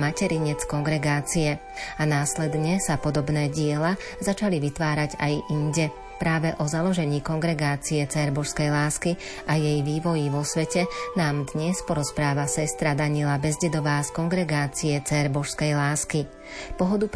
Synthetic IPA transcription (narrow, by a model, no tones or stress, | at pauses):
macɛɾiɲɛt͡skɔŋɡɾɛɡaːt͡sijɛ | anaːslɛd̪ɲɛsapɔd̪ɔbnɛːɟɪɛla | zat͡ʃaliʋit̪ʋaːɾaɟajʔinɟɛ | pɾaːʋɛʔɔzalɔʒɛɲiːkɔŋɡɾɛɡaːt͡siɛt͡sɛːɾbɔʃskɛjlaːski | ʔajɛjʋiːʋɔjiʋɔsʋɛcɛnaːmd̪ɲɛspɔɾɔspɾaːʋasɛst̪ɾad̪aɲilabɛzɟɛd̪ɔʋaːskɔŋɡɾɛɡaːt͡siɛt͡sɛːɾbɔʃskɛjlaːski | pɔɦɔd̪up